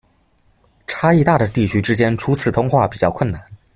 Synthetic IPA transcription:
ʈ͡ʂʰa˥i˥˧t̪a˥˩d̪ə˩t̪i˥˩t͡ɕʰy˥ʈ͡ʂɻ̩˥t͡ɕjɛ˥nʈ͡ʂʰu˥t͡sʰɹ̩˨˩t̪ʰʊ˥ŋxwa˥˩pi˨˩t͡ɕjɑ˥˧ʊkʰwə˥˩na˥˩˦n

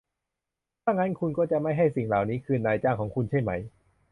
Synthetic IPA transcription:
t̪ʰaː˥˩ŋːa˦˥nkʰu˧nkɔː˥˩t͡ɕa˨˩ma˥˩jɦa˥˩jsi˨˩ŋlaː˨˩wniː˦˥kʰɯː˧naː˧jt͡ɕaː˥˩ŋkʰɔː˩˦ŋkʰu˧nt͡ɕʰa˥˩jma˦˥j

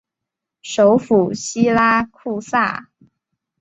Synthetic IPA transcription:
ʂo˧˥ʊfu˨˩ɕi˥la˥kʰu˥˧sa̰˥˩

